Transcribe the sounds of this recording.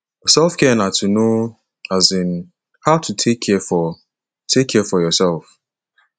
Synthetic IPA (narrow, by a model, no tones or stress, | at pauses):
jɔsɛlfkɛnatuno | azɪn̩ | haʊtʰutʰekʰːɛfɔ | tʰekʰːɛfɔjɔsɛlf